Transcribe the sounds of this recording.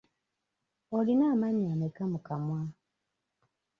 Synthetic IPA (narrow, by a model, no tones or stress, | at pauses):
olinaːmaɲamekamukamwa